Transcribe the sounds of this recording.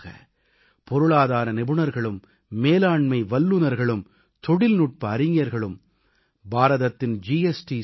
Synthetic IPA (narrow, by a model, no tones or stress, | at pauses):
ɣɐ̰ | pɔɾɯɭaːðaːɾɐnɪbɯnɐɾɣɐɭɯmː | eːlaːɳmɐɪʋɐlːɯnɐɾɣɐɭɯm | t̪ɔɽɪlnʊʈ̚pɐːɾɪŋjɐɾɣɐɭɯm | baːɾɐðɐt̪ːɪnd͡ʒiɛsʈi